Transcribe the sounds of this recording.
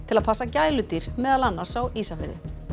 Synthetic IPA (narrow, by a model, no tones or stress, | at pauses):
t̪ʰɪlaðpʰasːacaːjlʏt̪iɾ̥mɛːðalanːaɾ̥sawiːsafɪ̰ɾðɪ̰